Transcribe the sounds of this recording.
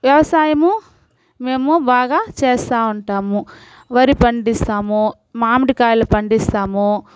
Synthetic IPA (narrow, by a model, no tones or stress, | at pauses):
ʋjɐʋɐsaːjɐmu | me̞ːmubaːɡaːt͡ʃɛːst̪aːuɳʈaːmu | ʋɐɾipɐɳɖist̪aːmoː | maːmɽikaːjlɐpɐɳɖist̪aːmoː